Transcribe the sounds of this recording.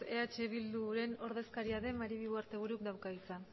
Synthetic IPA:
e̞at͡ʃe̞βild̪uɾe̞no̞ɾðe̞skaɾiaðe̞maɾiβiɣuaɾt̪e̞β̞uɾukd̪awkaisan

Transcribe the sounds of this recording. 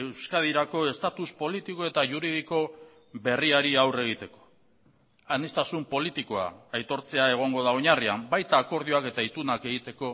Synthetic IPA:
ewskað̞iɾako̞e̞st̪at̪uspo̞lit̪iko̞e̞t̪aʝuɾið̞iko̞ | βe̞riaɾiawre̞ɣ̞it̪e̞ko̞̥ | anist̪asumpo̞lit̪iko̞a̰ːjt̪o̞ɾt͡se̞ae̞ɣ̞o̞ŋɡo̞ðaoɲariambajt̪aːko̞ɾð̞ioake̞t̪ait̪unake̞ɣit̪e̞ko̞

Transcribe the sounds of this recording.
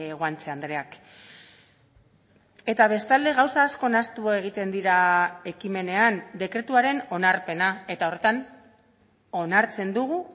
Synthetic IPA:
ɣwant͡seand̪ɾe̞ak | e̞t̪aβ̞e̞st̪ald̪e̞ɣawsaːsko̞nast̪ue̞ɣ̞it̪e̞nd̪iɾae̞kime̞ne̞and̪e̞kɾe̞t̪uaɾe̞no̞naɾpe̞nae̞t̪ao̞re̞t̪an | o̞naɾt͡se̞nd̪uɣu

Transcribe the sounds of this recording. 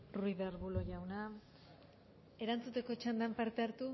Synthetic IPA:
ruiðeɾβulo̞ʝawna | e̞ɾant͡sut̪e̞ko̞t͡ʃand̪ampaɾt̪e̞aɾt̪u

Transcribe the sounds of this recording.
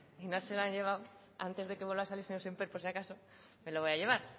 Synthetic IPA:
inaselaɲʎe̞β̞aw | a̰nt̪e̞zðe̞keβolβasalisenosempeɾpoɾsjakaso | meloβojaʎe̞β̞aɾ

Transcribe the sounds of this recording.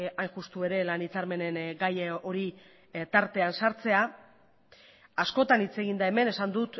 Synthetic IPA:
ajnʝust̪ue̞ɾe̞lanit͡saɾme̞ne̞nɡajo̞ɾi | t̪aɾt̪e̞ansaɾt͡se̞a | asko̞t̪anit͡se̞ɣ̞ind̪ae̞me̞ne̞sand̪ut̪

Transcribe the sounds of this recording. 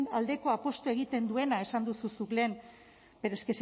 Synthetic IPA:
nald̪e̞ko̞apo̞st̪oe̞ɣ̞it̪e̞nd̪ue̞nae̞sand̪ususukle̞ːn | be̞ɾeskes

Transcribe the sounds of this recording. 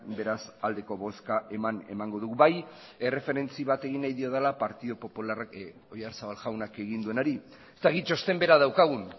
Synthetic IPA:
be̞ɾasald̪e̞ko̞βo̞skaʔe̞mane̞̰maŋɡo̞ðuɣuβaje̞re̞fe̞ɾe̞nt͡siβat̪e̞ɣinːajðio̞ð̞elapaɾt̪iðopo̞pularak | o̞jaɾsaβalʝawnake̞ɣind̪ue̞naɾi | est̪akit̪t͡ʃo̞st̪e̞mbe̞ɾað̞awkaɣ̞un

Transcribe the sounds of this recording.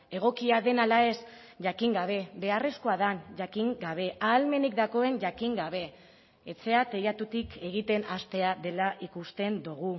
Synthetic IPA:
e̞ɣ̞o̞kiaðe̞nalae̞s | ʝakiŋɡaβ̞e̞be̞are̞sko̞aðanʝakiŋɡaβ̞e̞aːlme̞nikd̪ako̞e̞nʝakiŋɡaβ̞e̞ː | t͡se̞at̪e̞jat̪ut̪ike̞ɣ̞it̪e̞nast̪e̞aðe̞laʔikust̪e̞nd̪uɣ̞u

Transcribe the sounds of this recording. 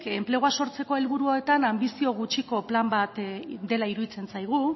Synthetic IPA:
ke̞mple̞ɣ̞oaso̞ɾt͡se̞ko̞e̞lβuɾuaet̪anambisio̞ɣ̞ut͡ʃiko̞plambat̪d̪e̞laiɾuðit͡se̞nsajɣ̞u

